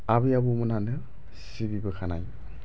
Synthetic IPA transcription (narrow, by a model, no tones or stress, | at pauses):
aβijabumɯnanɯ | sibibɯkʰanaj